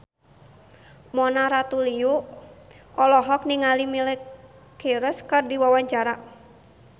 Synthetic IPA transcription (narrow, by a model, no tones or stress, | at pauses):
mɔnaɾat̪uliu | ʔɔlɔɦɔk̚niŋalimilɛ | kiɾəskɨrdiwawaɲt͡ʃaɾa